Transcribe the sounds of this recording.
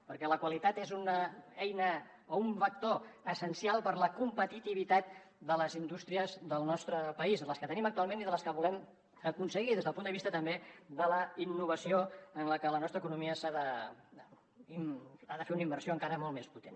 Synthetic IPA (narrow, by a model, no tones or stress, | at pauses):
pəɾkɛləkwəlit̪at̪ezunəɛjnə | ouɱfək̚t̪oəsənsialˠpəɾləkumpət̪it̪iβ̞it̪at̪̚ | d̪ələzind̪ust̪ɾiəzðəlˠnɔst̪ɾəpəizðələskət̪ənimək̚t̪ualˠmeniðələskəβulɛm | əkunsəɣiðezðəlˠpund̪əβist̪ət̪əmbed̪ələinːuβəsioənləkələnɔst̪ɾəkunumiəsaðə | iaðəfeunəimbərsioəŋkaɾəmolˠmesput̪en